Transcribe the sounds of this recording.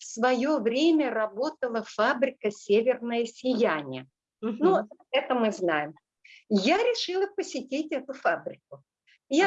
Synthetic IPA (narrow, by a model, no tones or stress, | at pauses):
fsvɐjovɾʲemʲərɐbo̞t̪əlˠəfabɾʲɪkəsʲevʲɪrnəjəsʲɪjænʲɪjə | nuɛt̪əmɨznajɪm | jaɾʲɪʂɨlˠəpəsʲɪtʲitʲɛt̪ʊfabɾʲɪk̚ʊ | ja